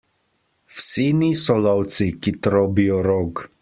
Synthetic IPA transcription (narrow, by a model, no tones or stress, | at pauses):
fsinisɔlawt̪t͡s̪ikit̪ɾɔbioɾoɡ